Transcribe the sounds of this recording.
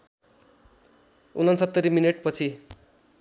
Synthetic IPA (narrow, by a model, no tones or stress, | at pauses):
unʌnsʌt̪ːʌɾimineʈ̚pʌt͡sʰi